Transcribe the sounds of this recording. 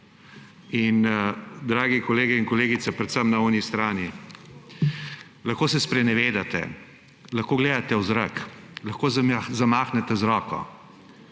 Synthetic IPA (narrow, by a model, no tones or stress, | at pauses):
ind̪ɾaːɡikɔleːɡɛinkɔleːɡit̪sɛpɾɛt̪səmnaɔnist̪ɾaːni | lɐxkoːsɛspɾɛnɛʋeːd̪at̪ɛ̰ | lɐxkoːɡleːd̪at̪ɛwzɾaklaxkoːzzamaːxnɛt̪ɛzɾɔːkɔ̰